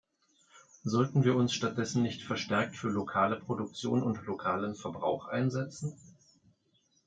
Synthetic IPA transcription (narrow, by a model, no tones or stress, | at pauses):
zɔltn̩viːɐʊnsʃtat̚d̥ɛsn̩nɪçtfɛɐʃtɛɐk̚tfyːɐlokʰaːləpʁ̥odʊk̚t͡sjo̰ːnʊntlokʰaːlənfɛɐbʁa̰ʊxʔa̰ɪnzɛt͡sn̩